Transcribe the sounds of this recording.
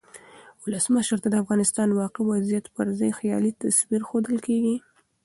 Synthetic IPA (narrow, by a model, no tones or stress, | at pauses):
wʊləsməʃɾt̪ad̪əafɣɑnɪst̪ɑnwɑqɪwazijat̪pəɾzɑjxjɑ̰lit̪aswiɾxod̪əlkeɡi